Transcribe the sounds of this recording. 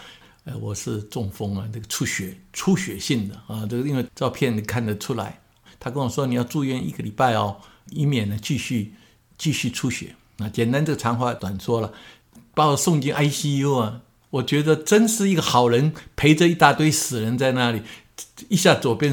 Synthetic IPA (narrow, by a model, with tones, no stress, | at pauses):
e˧˩wɔ˨˩ʂɻ̩˥˧ʈ͡ʂʊ˥˩ŋfɤ˥ŋa˨nə˥˩ɡə˩ʈ͡ʂʰu˥ɕɥɛ˨˩˦ʈ͡ʂʰu˥ɕɥɛ˨˩ɕi˥˩ŋd̪ə˩ɐ˨˧ʈ͡ʂə˥˩ɡi˥nwe˥˧ɪt͡sɑ˥˧ʊpʰjɛ˥˩n˧˩kʰa˥˩nd̪ə˩ʈ͡ʂʰu˥la̰˧˦ɪ | t̪ʰa˥kə˥nwɔ˨˩ʂwɔ˥ni˨˩jɑ˥˧ʊʈ͡ʂu˥˧ɥɛ˥˧nḭ˥˩ɡə˨li˨˩pa˥˧ɪɑ˨˩i˧˥mjɛ˨˩nə˦t͡ɕi˥˧ɕy˥˧ | t͡ɕi˥˧ɕy˥˩ʈ͡ʂʰu˥ɕɥɛ̰˨˩˦ | na˥˧˩t͡ɕjɛ˨˩nt̪a˥nʈ͡ʂɤ˥˩ɡə˩ʈ͡ʂʰɑ˧˥ŋxwa˥˧t̪wa˨˩nsʰwɔ˥lə˨ | pa˥ɔ˨˩sʊ˥˧ŋt͡ɕi˥nʔa˥ɪɕi˥ju˥ɐ˨ | wɔ˨˩t͡ɕɥɛ˧˥d̪ə˧ʈ͡ʂə˥nʂɻ̩˥˩i˥˩ɡə˨xɑ˨˩ʊɻə˧˥npʰe˧˥ɪʈ͡ʂə˧i˥˧t̪a˥˧t̪we˥˩ɪsɹ̩˨˩ɻə˧˥nt͡sa˥˧ɪna˥˩li˨˩˦ | i˥˧ɕja˥˩t͡swɔ˨˩pjɛ˥˧n